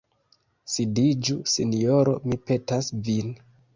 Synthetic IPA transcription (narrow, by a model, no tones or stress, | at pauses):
sidid͡ʒusinjoɾo̞̰mipe̞tasvin